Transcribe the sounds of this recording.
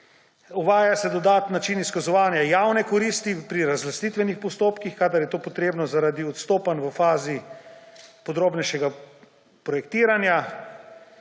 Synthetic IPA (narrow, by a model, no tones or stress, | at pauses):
uʋaːjasɛd̪ɔd̪aːt̪nːat͡ʃiniskazɔʋaːnjajawnɛkɔɾist̪ipɾiɾazlast̪it̪ʋɛnixpɔst̪oːpkixkad̪aɾjɛt̪oːpɔt̪ɾeːbnɔzaɾad̪iɔt̪st̪oːpanʋəfaːzi | pɔd̪ɾoːbnɛʃɛɡa | pɾɔjɛkt̪iːɾanja